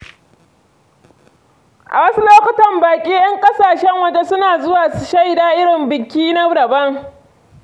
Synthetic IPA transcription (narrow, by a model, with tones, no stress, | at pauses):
ʔa̰˨wɐ˦su˦loː˦kʷʊ˨tɐ˨mbaː˨kʲʼiː˦jɐ˦ŋkʼɐ˦saː˨ʃɛ˦ŋwɐ˨d͡ʒe˦sʊ˦naː˨zʊ˦waː˨ʃa˦˨jdaː˦ʔɪ˦ɽɪ˨mbɪ˨kʲːiː˦na˦ɽɐ˨bɐ˦ŋ